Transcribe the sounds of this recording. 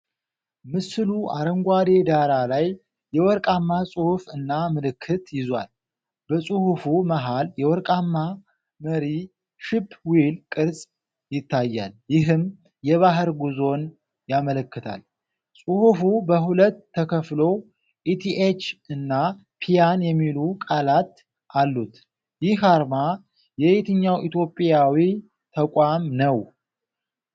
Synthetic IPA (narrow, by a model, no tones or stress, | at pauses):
mɨsɨluʔaɾəŋɡʷad̪e̞d̪aɾalajː | ɛwɔɾkʼamːasʼuhufɨnːamɨlɨkʰːɨt̪jɪzwa̰l | bəsʼuhufuməɦaljɛwɔɾkʼamːa | məɾi | ʃɪpːwilkʼɨɾsʼ | jɪt̪ʰːajːa̰ljɪɦɨm | jɛβaɦəɾɡuzo̞n | jamələkːɨt̪ʰa̰l | sʼuhufubəɦulət̪ʰːəkʰəflo̞ | ʔit̪ʰiʔet͡ʃːɨnːa | pʰijanjɛmːilukʼalat̪ | ʔalːut̪ | jɪhaɾma | jɛet̪ʰɨɲːawʔit̪ʰjo̞pʼːjawi | t̪ʰəkʷʼamnəw